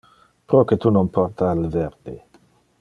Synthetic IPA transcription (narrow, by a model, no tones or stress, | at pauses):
pɾoket̪unonpʰɔɾt̪aːlvɛrd̪̥e